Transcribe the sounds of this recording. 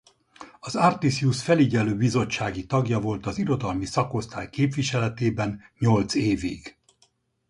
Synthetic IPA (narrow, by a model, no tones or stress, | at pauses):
ɒzart̪isjusfɛliɟɛløːbizo̞t͡ʃːaːɡit̪ɒɡjɒvo̞lt̪ɒziɾo̞d̪ɒlmisɒko̞st̪aːjkeːpʋiʃɛlɛt̪eːbɛnɲo̞lt̪seːvḭɡ̥